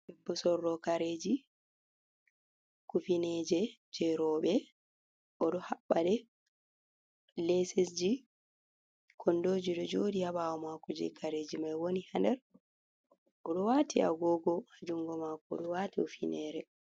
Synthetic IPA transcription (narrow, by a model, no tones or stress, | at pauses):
bɛbːɔsɔrːɔkaɾed͡ʒi | kufinɛd͡ʒɛd͡ʒɛɾɔːɓɛ | ʔɔɗɔhaɓːaɗɛ | lesisd͡ʒi | kʰɔndod͡ʒiɗɔd͡ʒoːdihaɓawɔmakɔd͡ʒɛ̰kʰaɾed͡ʒimajwonihandɛɾ | ʔɔɗɔwaːtia̰ɡɔɡɔhad͡ʒuŋɡɔmakɔ̰ɗɔwatiɔfinʔɛːɾɛ